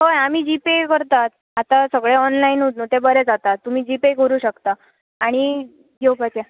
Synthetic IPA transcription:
ɦojam̤iːd͡ʑipekəɾt̪at̪ | at̪asəɡɭeɔnlainɦut̪not̪ebəɾed͡zat̪at̪ːum̤iːd͡ʑipekəɾuːɕəkt̪aː | ɽ̃i | ɡewpat̪e

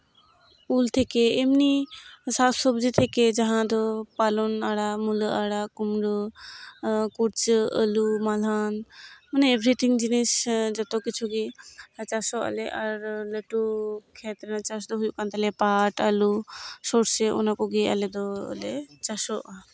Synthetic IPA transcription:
pult̪ʰekeemnisat̪sɔbd͡ʒit̪ʰeked͡ʒɐɦãd̪opalonaɽamulaɽakumɖo | kuɾt͡ʃə̰lumalaːnmɐnebɾit̪ʰiŋd͡ʒinesd͡ʒɔt̪okit͡ʃʰuɡet͡ʃasoə̰leʔɐɾləʈukʰet̪ɾnat͡ʃas̬d̪oɦujukant̪əlepaːʈəlusoʈseʔṵnakoɡeə̰led̪o̰let͡ʃasoʔ

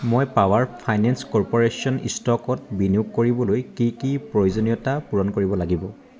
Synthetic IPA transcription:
mojpawaɹpʰajnɛnskɔɹpɔɹesiɔnḭstɔkɔt̚biniʊk̚kːoɹibɔlojkikipɹojozonijɔtapuɹɔnkoɹibɔlaɡibɔ

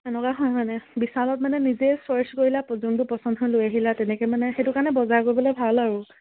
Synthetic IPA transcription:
ɛnɔkaɦɔjmanɛbisalɔtmanɛnizesɔɹskoɹilapɔzundʊpɔsɔndɦojlojaɦilatɛnɛkɛmanɛxejtʊkaɹnɛbɔzaɹkoɹibɔlojbʱalaɹu

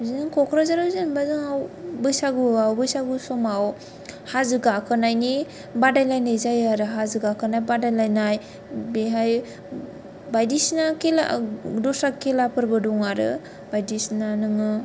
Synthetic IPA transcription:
zinɯŋkʰɔkʰɾazaɾawzɯnbazɯŋawbɯjsaɡɯawbɯjsaɡusɔmaw | hazɯɡakʰɯnajni | badajlajnajzajaɾɯɦazɯɡakɯnajbadajlajnaj | beɦaj | bajdisnakela̰dɔsɾakelapʰɯɾbɯdɔŋaɾɯ̰ | bajdisnanɯŋɯ

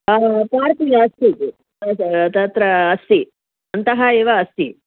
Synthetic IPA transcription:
paːɾt̪id͡ʒaːst̪i | t̪ɐt̪ɾɐːst̪i | ɐnt̪ɐɦɐeːʋɐɐst̪i

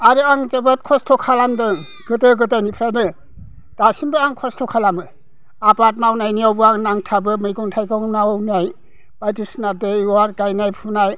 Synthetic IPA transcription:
aɾɯaŋzebat̚kʰɔstʰɔkʰalamdɯ | ɡ̥ɯtɯɡɯt̬ajnipʰɾajdɯ | d̥asimbɯaŋkʰɔstʰɔkʰalamɯ | apat̚mawnajniawbɯaŋnaŋtʰabɯmɯjɡɔŋtʰajɡɔŋnawnaj | b̥ajtisnadɯwaɾɡajnajpʰunaj

